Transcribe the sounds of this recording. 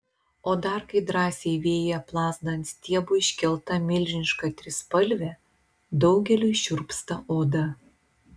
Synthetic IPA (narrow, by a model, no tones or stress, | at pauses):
oːd̪ɐɾkɐɪd̪ɾɑːsʲeɪʋʲeːjɛplˠɑːzd̪ɐnʲt̪ʲt̪ʲiɛbʊɪʃʲkʲɛlˠt̪ɐmʲɪlʲʒʲɪnʲɪʃkɑt̪ʲɾʲɪspɐlʲʋʲɛ | d̪ɐʊɡʲɛlʲujʃʲʊɾpst̪ɐʔoːd̪ɐ